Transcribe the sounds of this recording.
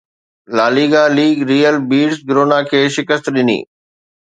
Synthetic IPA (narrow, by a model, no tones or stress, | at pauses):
laːliːɡaliːɡɾiːjəlbiːɖsɡɾoːnakʰeːʃɪkəst̪ɗɪnḭː